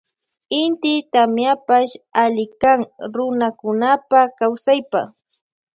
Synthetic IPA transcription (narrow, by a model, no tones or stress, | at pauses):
ɪnt̪ɪt̪amjapaʃalɪkaŋɾʊnakʊnapakawsajpa̰